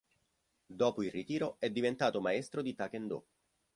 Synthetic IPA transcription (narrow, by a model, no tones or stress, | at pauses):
d̪ɔːpoilrit̪iːɾoɛd̪ːivent̪aːt̪omaɛst̪ɾod̪it̪akend̪o̰